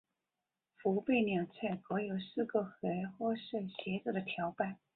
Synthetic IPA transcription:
fu˧˥pe˥˩ɪnjɑ˨˩ʊt͡sʰɛ˥˩ɪkɤ˧˥jo˨˩ʊsɹ̩˥˩ɡɤ˥˩xe˧˥ɪxwɔ˥ʂə˥˩ɕjɛ˧˥t͡s̩˥˩d̪ə˦t̪ʰjɑ˧˥ʊpa˥˩n

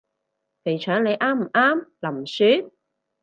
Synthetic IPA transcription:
pʰe˨˩jt͡ʃʰœː˨˥ŋle˨˧jʔaː˥m̩˨˩ʔaː˥mlɐ˨˩msyː˨˥

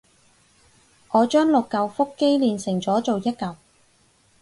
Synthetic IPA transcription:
ʔɔː˨˧t͡ʃœː˥ŋlʊ˨kːɐ˨˧wfʊ˥kːe˥jliː˨nsɪ˨˩ŋt͡sɔː˨˥t͡ʃo˨wjɐ˥t̚kɐ˨w

